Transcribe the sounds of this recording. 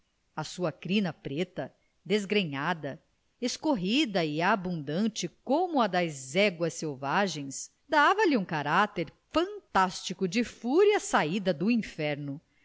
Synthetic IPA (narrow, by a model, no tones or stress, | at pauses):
ɐsuɐkɾĩnɐpɾet̪ɐ | d̪ezɡɾẽɲad̪ɐ | eskoɦid̪ɐɪabũnd̪ɐ̃nt͡ʃɪkõmʊɐd̪ɐzɛɡwɐsewvaʒẽj̃s | d̪avɐlɪũkaɾat̪ɛɾfɐ̃nt̪ast͡ʃikʊd͡ʒɪfuɾjɐsaid̪ɐd̪ʊĩfɛɾnʊ